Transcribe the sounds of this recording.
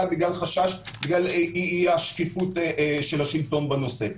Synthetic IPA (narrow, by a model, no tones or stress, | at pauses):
biɡlalχaʃaʃbiɡlaliaʃkifutʃelhaʃilto̞nbano̞se